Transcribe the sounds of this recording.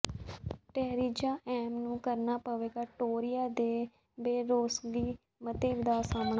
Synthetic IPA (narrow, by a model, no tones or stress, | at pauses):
ʈɛːɾiːd͡ʒaːʔɛːmnũːkəɾnaːpəʋeːɡaːʈoːɾɪjaːd̪eː | beːɾoːsɡiː | mət̪eːʋd̪aːsaːmɳa